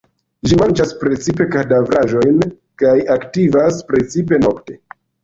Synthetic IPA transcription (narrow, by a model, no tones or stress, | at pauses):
ʒimand͡ʒaspɾe̞t͡sipe̞kadavɾaʒo̞jn | kajaktivaspɾe̞t͡sipe̞no̞kte̞